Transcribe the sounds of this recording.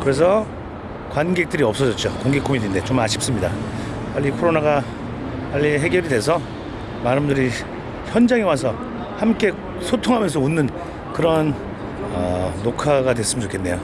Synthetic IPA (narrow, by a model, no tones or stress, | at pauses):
kɯɾe̞sʰʌ | kwanɡe̞k̚t͈ɯɾiʌp̚s͈ʌd͡ʑʌt̚t͡ɕ͈okoŋɡekʰomidinde̞t͡ɕomaɕʰi̥p̚s͈ɯmɲida | paʎːikʰoɾonaɡa | paʎːiɦe̞ɡjʌɾidwe̞sʰʌ | maɾɯmdɯɾi | çjʌnd͡ʑaŋewasʰʌ | hamk͈e̞ | sʰotʰoŋɦamjʌns̬ʰʌunːɯn | kɯɾʌn | ʌːokʰaɡadwe̞s͈ɯmnt͡ɕokʰenːe̞jo